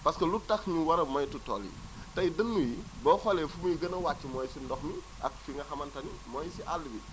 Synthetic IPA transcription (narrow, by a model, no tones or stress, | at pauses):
pɐskɐlutːɐxɲuwɐɾɐmɐjtutɔ̰ːlḭ | tɐjdɐnːujibɔːfɐlɛfumujɡənɐwat͡ʃːimɔːjsindɔxmi | ʔɐ̰k̚fiŋɡɐxɐmɐntɐnimɔːjsiʔalːəbi